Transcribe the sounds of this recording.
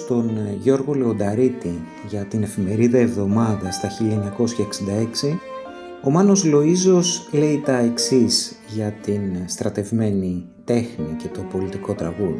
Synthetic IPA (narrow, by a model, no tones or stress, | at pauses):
t̪o̞nʝo̞ɾɣo̞le̞o̞d̪ɐɾit̪i | ʝɐt̪ine̞fime̞ɾiðɐe̞vðo̞mɐðɐst̪ɐçiʎɐeɲɐko̞sçɐeksind̪ɐe̞ksi | o̞mɐno̞zlo̞izo̞sle̞it̪ɐe̞ksiz | ʝɐt̪inst̪ɾɐt̪e̞vme̞ni | t̪e̞xnice̞t̪o̞po̞lit̪iko̞t̪ɾɐ̰ɣu